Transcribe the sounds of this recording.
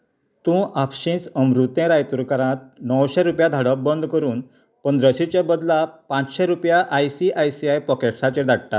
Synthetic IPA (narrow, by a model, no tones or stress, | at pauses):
t̪ũʔapɕĩt͡səmɾut̪jẽɾajt̪uɾkaɾãt̪̚nəwɕɛɾupjad̪ʱaɽəbənd̪ʱkəɾuːn | pənd̪ɾəɕit͡ɕebəd̪lapãt͡sɕɛɾupjaʔajsiʔajsiajpɔkeʈsat͡ɕed̪ʱaɽt̪a̰t̪